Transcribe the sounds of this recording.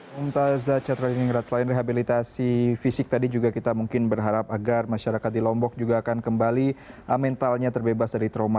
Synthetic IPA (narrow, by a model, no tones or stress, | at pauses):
umt̪azat͡ʃat̪ɾadiniŋɾat̪̚slaɪnreɦabilit̪asifisɪk̚t̪adid͡ʒuɡakit̪amuŋkɪnbərɦaɾap̚aɡarmaʃaɾakat̪̚dilɔmbɔk̚d͡ʒuɡaːkankəmbaliəmɛnt̪alɲat̪ərbebasdaɾit̪ɾoma